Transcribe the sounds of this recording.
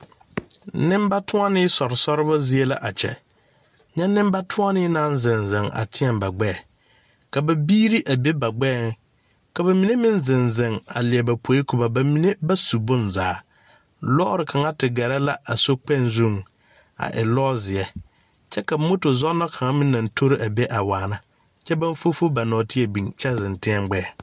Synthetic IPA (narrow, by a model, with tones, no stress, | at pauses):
nɪ̃˦mba˦tʰʊ˦a˦nɪ˦sɔ˨ɾɪ˨sɔ˦ɾɪ˦ba˦zɪ˦e˦la̰˦ʔa˨t͡ʃɛ̰˨ | ɲɛ˦nɪ̃˦m˦ba˦tʰʊ˦a˦nɪ˦nã˦nzɪ˨nzɪ˨ŋa̰˨tʰɪ˦ɛ˨mba˨ɡ͡bɛː˦˨ | ka˨ba˨biː˦ɾi˦ʔa˨be˦ba˨ɡ͡bɛː˦˨ŋ˦ | ka˨ba˨mi˨ne˦mɪ̃˦nzɪ˨nzɪ˨ŋa̰˨lɪ˨ɛ˨ba˨pʰo˨˦e˦kʊ˨ba˨ba˨mi˨ne˦ba˦su˨bʊ̃˦nzaː˨˦ | lɔ˦ɾɪ˨kʰa˨ŋa˦tɪ˨ɡɛ˨ɾɛ˦la˦a˨so˦k͡pɛ˦˨nzu˦˨ŋ | a̰˨ʔɪ̰˨lɔː˦zɪ˨ɛ˦ | t͡ʃɛ˦ka˨˦mo˦tʊ˨zɔ˦nɔ˦kʰa˨ŋa˦mɪ̃˦nː˦ã˨ntʰo˦ɾɪ˦ʔa˨be˦ʔa˨waː˨na˦ | t͡ʃɛ˦ba˦nfo˦fo˦ba˨nɔː˨tɪ˦ɛ˨bĩ˨ŋt͡ʃɛ˦zɪ̃˨ntɪ˦ɛ˦mɡ͡bɛː˦˨